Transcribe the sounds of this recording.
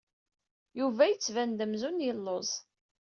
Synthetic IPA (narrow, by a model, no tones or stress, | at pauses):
juvæjət͡sːvænd̪əmzunjəlːozˤ